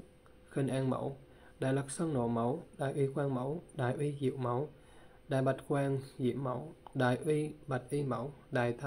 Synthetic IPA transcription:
xï˧˩ŋʔaː˧ŋmə̰˧˦w | ɗa̰ː˨jlə˨˩k̚sə˧ŋno̰˧˩mə˨˦wɗa̰ː˨˩jʔwi˧kwaː˧ŋmə˧˥wɗaː˨˩jʔwi˧zḭ˧˨˥wmə˨˦w | ɗaː˨˩jɓa˨˩t̚kwaː˧ŋzḭ˧˦əmmə˧˦wɗaː˨˩jʔwi˧ɓa˨˩t̚ʔi˧mə˧˦wɗaː˨˩jt̪ʰa˧

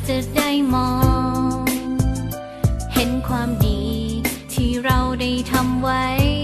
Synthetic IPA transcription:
t͡ɕa˨˩da˥˩jmɔː˧˦ŋ | he˨˦nkʰwaː˧mdiː˨˧˩t̪ʰiː˧˩ɾa˧wda˥˩jt̪ʰa˧mwa˦˥j

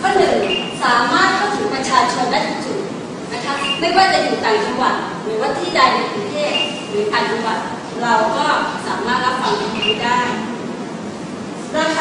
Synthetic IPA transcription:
kʰɔː˥˩nːɯ˨˩ŋsaː˩˦maː˥˩t̪̚kʰa˥˩wt̪ʰɯ˨˩˦ŋpɾa˧t͡ɕʰaː˧t͡ɕʰo˧ndaː˥˩jt̪ʰiː˥˩su˨˩t̪̚ | na˦˥kʰa˦˥p̚ma˥˩˨jwaː˥˩t͡ɕa˨juː˨˩t̪aː˨˩ŋt͡ɕa˧mwa˨˩t̪̚ | nɯː˨˦jwa˦˥t̪ʰːiː˥˩daː˧˩jna˧jpɾu˧nt̪ʰeː˥˩t̚ | ɾɯː˩˦t̪aː˨˩ŋt͡ɕa˧wa˨˩t̪̚ | ɾa˧wkɔː˥˩saː˩˦maː˥˩t̪̚ɾa˦˥p̚fa˧ŋt̪a˧˩t̪ʰa˧˩haː˦˥˩jdaː˥˩j | a˧

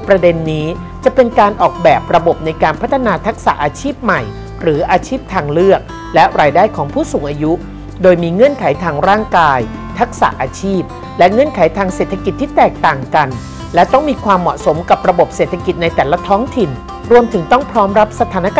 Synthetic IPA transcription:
pɾa˧de˧nːiː˦˥ | t͡ɕa˨˩pe˧nkaː˧nʔɔː˨˩k̚bɛː˨˩p̚ɾa˧bo˨˩p̚na˧jkaː˧npʰa˦˥t̪ʰːa˧naː˧t̪ʰa˦˥k̚sa̰˨˩ʔaː˧t͡ɕʰiː˥˩p̚ma˨˩j | ɾɯː˩˦ʔaː˧t͡ɕʰiː˥˩p̚t̪ʰaː˧ŋlɯ˥˩ək̚ | lɛ˦˥ʔɾaː˧jdaː˥˩jkʰɔː˩˦ŋpʰuː˥˩suː˩˦ŋʔaː˧ju˦˥ | doː˧jmiː˧ŋɤ˧˩ənkʰa˩˦jt̪ʰaː˧ŋɾaː˥˩ŋkaː˧j | t̪ʰa˦˥k̚sa̰˨˩ʔaː˧t͡ɕʰiː˥˩p̚ | lɛ˦˥ŋɤ˧˥˨nkʰa˩˦jt̪ʰaː˧ŋse˨˩t̪ʰːa˧ki˨˩t̪ʰːiː˥˩t̪ɛː˨˩k̚t̪aː˨˩ŋka˧n | lɛ˦˥t̪ɔ˥˩ŋmiː˧kʰwaː˧mːɔ˨˩ʔso˩˦mka˨˩p̚ɾa˧bo˨˩p̚seː˨˩t̪ʰːa˧ki˨˩t̪̚na˧jt̪ɛː˨˩la˧˥t̪ʰɔː˦˥ŋt̪ʰi˨˩n | ɾu˧əmt̪ʰɯ˩˦ŋt̪ɔ˥˩ŋpʰɾɔː˦˥mɾa˦˥p̚sa˧t̪ʰaː˩˦na˦˥kː

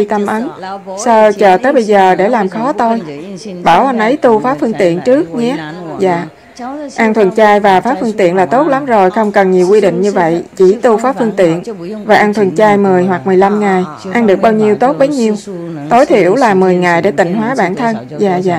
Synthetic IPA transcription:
i˧t̪ə˧mʔə˨˦nsə˧t͡ɕəː˨˩t̪əː˨˦jɓə˧jzəː˨˩ɗe˧˩laː˨˩mxɔ˨˦t̪o˧jɓaː˧˩wʔa˧nʔə˨˦jt̪u˧faː˨˦˥fɨ˧əŋt̪ḭ˧˨ənt͡ɕɨ˦˥ək̚ɲɛ˧˦˥za̰ː˧˨ | ʔa˧nt̪ʰwə˨˩nt͡ɕaː˧jvaː˨˩faː˨˦˥fɨ˧əŋt̪ḭ˧˨ənlaː˨˩t̪o˦˥t̚la˨˦mzo˨˩jxə˧wŋ͡mkə˨˩nɲi˨˩əwkwi˧ɗḭ̈˧˨ŋ̟ɲɨ˧və̰˧˨jt͡ɕi˧˩t̪u˧faː˨˦˥fɨ˧əŋt̪ḭ˧˨ənvaː˨˩ʔa˧nt̪ʰwə˨˩nt͡ɕaː˧jmɨ˨˩əjhwa˨˩k̚mɨ˨˩əjla˧mŋa˨˩j | ʔa˧nɗɨ˨˩ək̚ɓaː˧wɲi˧əwt̪o˦˥t̚ɓə˨˦jɲi˧əwt̪o˨˦jt̪ʰi˧˩əwlaː˨˩mɨ˨˩əjŋa˨˩jɗḛ˧˩t̪ï˨˩ŋ̟ɦwaː˨˦ɓa̰ː˧˨nt̪ʰə˧n | za̰ː˧˨za̰ː˧˨

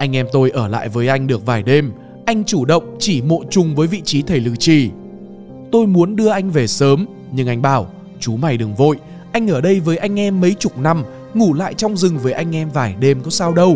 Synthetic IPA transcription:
ʔa˧jŋ̟ʔɛ˧mt̪o˧jʔəː˧˩la̰ː˧˨jvəː˨˦jʔa˧jŋ̟ɗɨ˨˩ək̚vaː˨˩jɗe˧m | ʔa˧jŋ̟t͡ɕu˧˩ɗə̰˧˨wŋ͡mt͡ɕi˧˩mo̰˧˨t͡ɕʊ˨˩ŋ͡mvəː˨˦jvḭ˧˨t͡ɕi˨˦t̪ʰe˧˩jlɨ̰˧˩t͡ɕi˧˩ | t̪o˧jmu˨˦ənɗɨ˧əʔa˧jŋ̟ve˨˩səː˨˦m | ɲɨ˧ŋʔa˧jŋ̟ɓaː˧˩w | t͡ɕu˨˦ma˨˩jɗɨ˨˩əŋvo̰˧˨j | ʔa˧jŋ̟ʔəː˧˩ɗə˧jvəː˨˦jʔa˧jŋ̟ʔɛ˧mːə˨˦jt͡ɕʊ˨˩k͡p̚na˧m | ŋu˧˩la̰ː˧˨jt͡ɕɔ˧wŋ͡mzɨ˨˩ŋvəː˨˦jʔa˧jŋ̟ʔɛ˧mvaː˨˩jɗe˧mkɔ˨˦saː˧wɗə˧w

